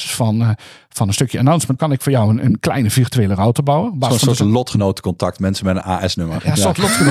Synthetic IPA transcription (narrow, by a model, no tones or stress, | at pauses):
fɔn | fɑnənstøkjəənawnsməntkɑnɪkfʊːɹjɔwənə̰nklɛjnəvirtyʋeːlərɔwtəbɑwəbsanoːɹtlɔtχənowtə̥kɔntɑk̚tmɛnsəmɛdə̰na̰ːɛsnøməɹjasotlɔtxən